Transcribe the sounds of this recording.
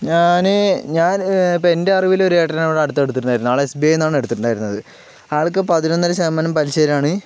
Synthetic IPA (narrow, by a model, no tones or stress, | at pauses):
ɲaːnɨɲaːnpeende̞ɐriʋilo̞ɾueːʈːɐniʋɽeɐɽut̪ːɨe̞ɽut̪ːiʈːuɳɖaːjiuuaːɭesbeːjnːaːɳeɽut̪ːiʈːuɳɖaːjiɾunːɐðɨ | aːɭkɨpɐðinonːɐlɐɕɐmːɐnɐmpɐliɕeːɾɐmaːɳɨ